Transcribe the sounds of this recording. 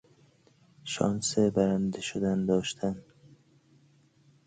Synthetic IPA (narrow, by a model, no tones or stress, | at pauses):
ʃɒ̰ːnsebæɾænd̪eʃod̪ænd̪ɒːʃt̪ʰæn